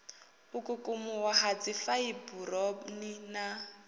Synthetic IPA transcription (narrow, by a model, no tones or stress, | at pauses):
ʊkʼʊkʼʊmʊwahad͡zifaiburɔnina